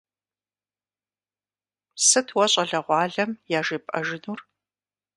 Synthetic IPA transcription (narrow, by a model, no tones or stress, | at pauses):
sɨtʰwɐɕʼɐɮɐʁʷɑːɮɐmjaːʒeːpʼɐ̰ʒɪnuːr